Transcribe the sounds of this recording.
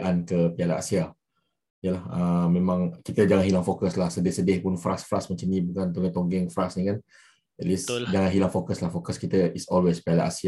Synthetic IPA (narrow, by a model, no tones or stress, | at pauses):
ʔankəpialaʔa̰sia | ijəlahəmẽmãŋkit̪əd͡ʒaŋanɦilaŋfokəslahsədɪhsədɪhpʊnfɾasfɾasmət͡ʃanĩbukant̪oŋɡɛt̪ɔŋɡɛŋfɾasnĩkan | ɛt̪lisd͡ʒaŋanɦilaŋfokəslahfokəskit̪əisɔlwespialaʔa̰sia